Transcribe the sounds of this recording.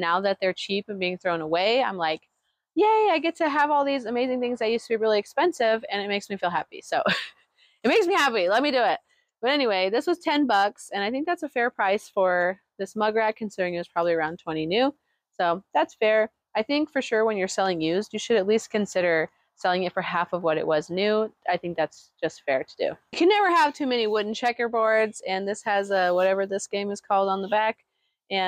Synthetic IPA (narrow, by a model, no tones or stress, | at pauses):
naʊðɨt̪̚ðə˞t͡ʃʰipɨ̃nbiɪ̃ŋθɹõʊ̃nəweɪãɪ̃mlaɪk | jeɪaɪɡɛtʰɨːvɔlˠðizɨmeɪzɪ̃ŋθɪ̃ŋzaɪjʉstʰɨbiɹɪlˠiɨkspɛ̃nsɪvɨ̃nɨt̚meɪksmifilˠɦæpḭsoʊ | ɨt̚meɪksmihæpilɛt̚midɨɪt̚ | b̥ʌɾɛñiweɪðɪswʌz̥tʰɛ̃nbʌksɨ̃ñaɪθɪ̃ŋk̚ðætsɨfɛɹpʰɹ̥aɪsfə˞ | ðɪsmʌɡə˞æt̚kʰɨ̃n̩sɪɾə˞ɪ̃ŋjʉz̥pʰɹ̥ɑbəbliə˞ãʊ̃ntʰw̥ɛ̃ɾ̃inʉ | soʊðætsfɛɹ | aɪθɪ̃ŋkfə˞ʃʊɹwə̃njə˞sɛlˠɪ̃ŋjʉzjɨʃɨɾɨtˡlistkʰɨ̃nsɪɾə˞ | sɛlˠɪ̃ŋɨtfə˞hæfʌvwʌɾɨ̰ʔwʌznʉaɪθɪ̃ŋk̚ðætsd̥ʒ̥ʌstfɛɹɾədʉ̰kʰɨnɛvə˞əv̥tʰʉmɛñiwʊdⁿn̩t͡ʃʰɛkə˞bɔɹdz̥ɨ̃nðɪshɨzʌwʌɾɛvə˞ðɪsɡ̥ẽɪ̃mɨz̥kʰɔlˠdn̩ðəbæk | ɨ̃